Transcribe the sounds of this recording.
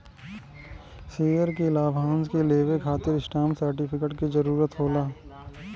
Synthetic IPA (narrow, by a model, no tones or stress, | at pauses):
seːjəɾkilaːbʱãːnskeleːʋekʰaːt̪ɪɾɪsʈaːmsəɾʈɪpʰɪkəʈkizɐɾuːɾət̪ɦoːlaː